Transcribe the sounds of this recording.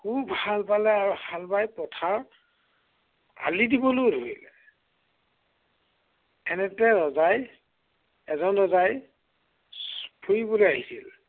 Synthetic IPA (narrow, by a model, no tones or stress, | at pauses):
kʰubʱalbalɛaɹuhalbajpɹɔtʰaɹ | a̰lidibɔlojdoilɛ | ɛnɛtɛɹɔzaj | ɛzɔnɹɔzaj | spʰujibolojaɦisil